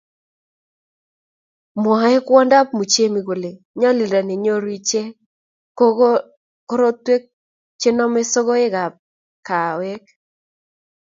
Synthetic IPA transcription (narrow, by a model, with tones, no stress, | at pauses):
mwɔ˨e˦kwɔ˦nda˦p̚mu˨t͡ʃe˦mi˨ɡo˨le˨ | ɲɔ˦li˨ɾa˨nɪ˨ɲo˦ɾwi˦t͡ʃe˦ | ko˦ɾo˦twe˦k̚ | t͡ʃe˦nɔ˦me˦so˦ɡo˦ɪ˦ɡa˨p̚ | ka˨we˦k